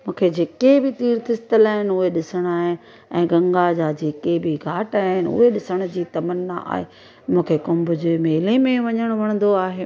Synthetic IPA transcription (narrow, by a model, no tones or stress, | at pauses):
mũːkʰed͡ʑeːkebɪt̪iːɾt̪ʰɪst̪əlaːɦɪnɪʊɦeɗɪsəɽ̃aːɦɪn | ɛ̃ːɡɐ̃ŋɡad͡ʑaːd͡ʑeːkebʱɪɡʱaːʈaːɦɦɪnɪʊ̰ɦeɗɪsəɽ̃ʊd͡ʑiːt̪ɐmənːa̰ʔa̰ːɦḛ | mũːkʰekʊmbʊd͡ʑʊmeːlemẽʋɐɲəɽ̃ʋɐɽ̃nd̪oaːɦeː